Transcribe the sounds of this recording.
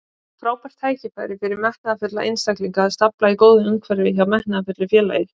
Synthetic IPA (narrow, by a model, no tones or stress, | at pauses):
fɾaːwpɛr̥t̪ʰaːjcɪpajɾɪfɪɾɪɾmɛht̪naðafʏt̪la̰ʔḛjnst̪akliŋkaːðst̪aplaikoːwðʏmʏmkʰvɛɾɪvɪðçjawmɛht̪nnaðafʏt̪lʏfjɛːla̰jɪ